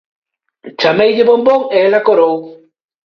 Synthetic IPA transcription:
t͡ʃamejʎɪβomboŋelakoɾow

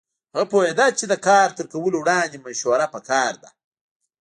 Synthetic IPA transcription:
ɣapojed̪at͡ʃed̪əkɑːɾt̪əɾkawəlowɽɑnd̪emaʃwaɾapəkɑːɾd̪a̰

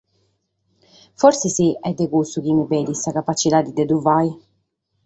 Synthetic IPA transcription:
fɔɾsisiɛd̪ːekust̪uk̟imipɛːd̪isakapat͡ʃːit̪ad̪id̪ed̪uvaj

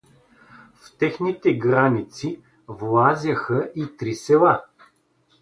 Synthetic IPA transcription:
ft̪ɛxnit̪ɛɡɾanit̪si | vlˠazʲəxəʔit̪ɾisɛlˠa

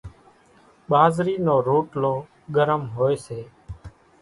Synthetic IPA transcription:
ɓaːzɾiːnoːɾuːʈloː | ɡəɾəmɦoːeːseː

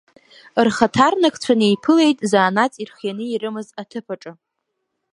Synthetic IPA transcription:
rχatʰarnakʰʼt͡ɕʷʰanejpʰɨle̞jtʼzaːnat͡sʼirχjanɨirɨmɨzatʰɨpʰaʈ͡ʂʼɨ

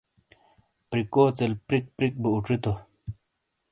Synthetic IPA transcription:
pɾikoːt͡selpɾik̚pɾik̚buuʈ͡ʂit̪o

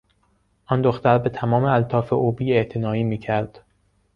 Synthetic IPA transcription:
ʔɒnd̪oxt̪æɾbe̞t̪ʰæmɒːmeælt̪ʰɒːfe̞ʔobiːe̞ʔt̪ʰenɒːiːmiːcʰæɾd̪̥

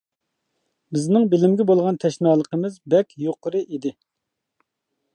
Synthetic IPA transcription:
bɪznɪŋbɪlɪmɡʲɪbolˠʁɑnt̪ʰɛʃnɑːlˠəqəmɨzbɛkʲjoqʰəɾɨʔid̪ɪ

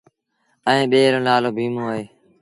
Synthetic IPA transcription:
əẽːɓeːɾə̃ːlaːloːbʱiːmõːəɦeː

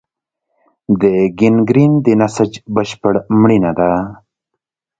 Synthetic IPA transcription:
d̪əɡɪnɡɾind̪ənasəd͡ʒbəʃpəɽmɽinad̪a

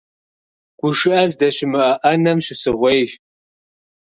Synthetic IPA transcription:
ɡ̥ʷʊʂɨʔɐzdɐɕɪmɨʔɐʔɐnɐmʃɪsɨʁʷejʒ

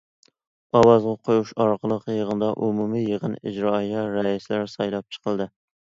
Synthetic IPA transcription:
ɑwɑzʁɑqʰojuʃɑɾqʰəlˠəqjəʁənd̪ɑʔumumijəʁənid͡ʒɾɑjɑɾɛislæɾsɑjlˠɑp̚t͡ʃʰə̥qəlˠd̪ɨ

